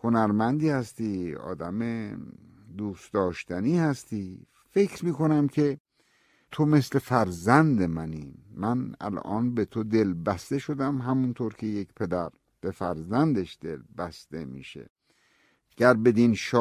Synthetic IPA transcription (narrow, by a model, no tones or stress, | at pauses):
honæɾmænd̪iːhæst̪iːɒ̰ːd̪æme | d̪uːsd̪ɒːʃt̪æniːhæst̪iː | fe̞kɾmiːko̞næmkʰe̞ | t̪ʰome̞sle̞fæɾzænd̪emæniːmænæ̰lʔɒ̰ːnbe̞t̪ʰod̪e̞lbæst̪e̞ʃod̪æmɦæmunt̪ʰoːɾkʲʰe̞jekʰpʰe̞d̪æɾ | b̥e̞fæɾzænd̪eʃd̪̥e̞̰lbæst̪e̞mḭːʃḛ | ɟ̥æɾbe̞d̪inʃ